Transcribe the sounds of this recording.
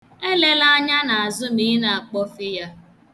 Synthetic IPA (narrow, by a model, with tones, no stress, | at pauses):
e˦le˦la˦a˦ɲa˦na˨a˨zʊ˦mi˦na˨a˨k͡pɔ˦fɪ˦ja˦